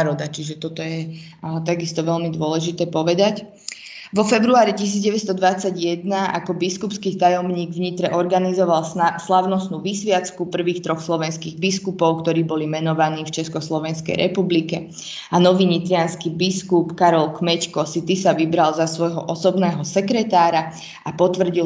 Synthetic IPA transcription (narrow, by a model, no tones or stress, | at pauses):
ɾɔd̪at͡ʃiʒɛt̪ɔt̪ɔjɛ | t̪aɡist̪ɔʋɛʎmid̪ʊɔlɛʒit̪ɛːpɔʋɛd̪ac | ʋɔfɛbɾuaːɾicis̬iːd͡zɟɛʋɛcst̪ɔd̪ʋat͡saɟjɛd̪naʔa̰kɔbiskupskiːt̪ajɔmɲiːɡvɲit̪ɾɛʔɔɾɡanizɔʋalslaʊnɔsnuːʋisʋɪat͡skupr̩ʋiːxt̪ɾɔxslɔʋɛnskiːɣbiskupɔʊkt̪ɔɾiːbɔlimɛnɔʋaniːft͡ʃɛskɔslɔʋɛnskɛ̰jɾʔɛpublikɛ | anɔʋiːɲit̪ɾianskibiskupkaɾɔlkmɛckɔsit̪isaʋibɾalzasʋɔjɦɔʔɔsɔbnɛːɦɔsɛkɾɛt̪aːɾa | apɔt̪ʋr̩ɟi